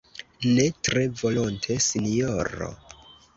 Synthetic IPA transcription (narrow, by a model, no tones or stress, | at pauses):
ne̞tɾe̞vo̞lontʰesinioɾo̰